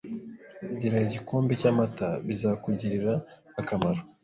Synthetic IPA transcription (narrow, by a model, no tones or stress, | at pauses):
ɟiɾaiɟiko̞ːmbecamataβizakuɟiɾiɾaː | kamaɾo